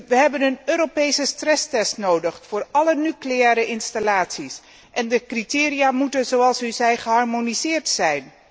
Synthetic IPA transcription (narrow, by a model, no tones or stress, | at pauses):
ʋəɦɛbənənøːɾopejsəstrɛstɛstnowdəχfʊːɹɑlənyklejɛːɾəʔɪnstalaːtsis | ʔɛndəkritɪːrijaːmutənzowɑlˠsyzɛjχəɦɑɹmonizɪːɹtsɛjn